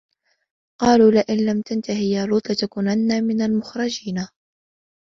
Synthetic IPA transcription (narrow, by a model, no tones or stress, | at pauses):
qɑːluːlɪʔɪnlamt̪ant̪aɦɪjaːluːt̪ˤlɪt̪akuːnanːaːmɪnalmʊxɾˤɑd͡ʒiːna